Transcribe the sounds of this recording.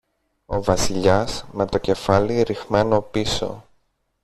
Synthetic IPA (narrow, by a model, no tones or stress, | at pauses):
o̞vɐsiʎɐsme̞t̪o̞ce̞fɐliɾixmeno̞piso̞̰